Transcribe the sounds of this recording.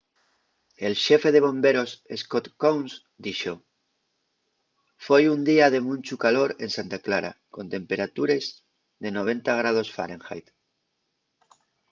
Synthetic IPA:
e̞lʃefe̞ð̞eβ̞õ̞mbe̞ɾo̞seskot̪kowns | d̪iʃo | fojund̪iað̞e̞mũnʲt͡ʃukalo̞ɾe̞nsant̪aklaɾa̰ko̞nt̪e̞mpe̞ɾat̪uɾez | ðe̞no̞β̞ẽ̞nt̪aɣ̞ɾað̞o̞sfa̰ɾẽŋxa̰jt̪

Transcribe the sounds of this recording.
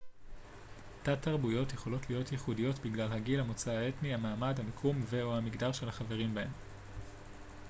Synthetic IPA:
tataʁbujo̞tjeχo̞lo̞tlijo̞tjiχudijo̞tbiɡlalhaɡilamot͡saae̞tnihamaːmadhamikʰumve̞amiɡdaʁʃe̞lhaχave̞ʁimbae̞m

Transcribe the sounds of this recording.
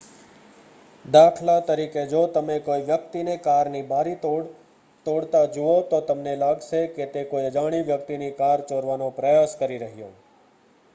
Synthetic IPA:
d̪aːkʰlat̪əɾiked͡ʒot̪əmekoiʋjəkt̪inekaɾnibaɾit̪o | t̪oɽt̪ad͡ʒuot̪ot̪əmnelaɡʃeket̪ekoiəd͡ʒaɽ̃iʋjəkt̪inikaɾt͡ʃoɾʋanopɾəjaskəɾiɾəɦijõ̰

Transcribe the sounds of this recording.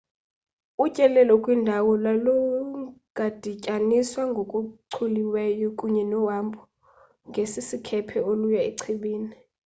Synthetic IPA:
ucʼɛlɛlɔkʼwindʱawɔlalɔɡ̥ʱad̥ʱicʼaniswaŋɡʱokʼuǀʰuliwɛjɔkʼuɲɛnɔwambʰʱʼɔ | ŋɡʱesisikʰɛpʰɛolujaeǀʰiɓiːni

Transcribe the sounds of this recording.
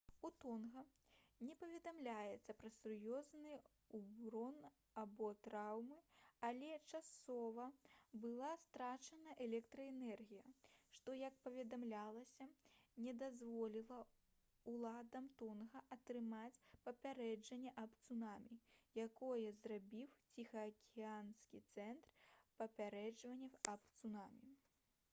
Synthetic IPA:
ut̪ɔnɣɐ | nʲɛpɐvʲɛd̪amlʲajɛt̪sːɐpɾɐsurjɔznɨ | ubɾɔn | abɔt̪ɾawmɨalʲɛt͡ʂasɔvɐbɨlˠast̪ɾat͡ʂɐnɐʔɛlʲɛkt̪ɾɐɛnɛrɣʲijɐʂt̪ɔjɐk̚pɐvʲɛd̪amlʲalˠɐsʲɐnʲɛd̪azvɔlʲilˠɐ | ulˠad̪ɐmt̪ɔnɣɐʔɐt̪ɾɨmat͡sʲpɐpʲaɾɛd͡ʐɐnʲːɛʔɐpt̪sunamʲijakɔjɛzrabʲiwt͡sʲixɐːkʲianskʲit̪sɛnt̪rpɐpʲaɾɛd͡ʐvɐnʲːɛɐpt̪sunamʲi

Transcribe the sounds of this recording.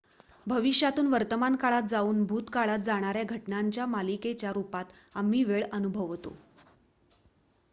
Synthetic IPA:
bʱəʋiɕjat̪uːnʋəɾt̪əmankaɭat̪̚d͡zauːnbʱuːt̪kaɭat̪̚d͡zaɽ̃aɾjaɡʱəʈnaɲt͡ɕjamaliket͡ɕjaɾupat̪ | am̤ːiːʋeɭənubʱəʋt̪o̰

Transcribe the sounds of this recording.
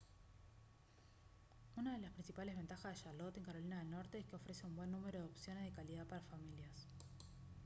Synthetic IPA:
unað̞e̞laspɾinsipalezβ̞e̞nt̪axazðeʃalot̪e̞ŋkaɾo̞linaðe̞lno̞ɾt̪eeskeo̞fɾe̞seumbwe̞nːume̞ɾo̞ðo̞psjo̞nezðekalið̞apaɾafamiljas

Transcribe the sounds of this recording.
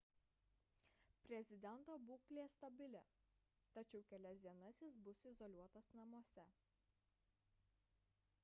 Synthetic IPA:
pʲɾʲɛzʲɪd̪ʲɛnˑt̪oːbuːklʲeːst̪ɐbʲɪlʲɛ | t̪ɐt͡ʃʲɛʊkʲɛlʲɛsʲd̪ʲiɛnɐsʲɪsbʊsɪzɔlʲuɔt̪ɐsnɐmuɔsʲɛ

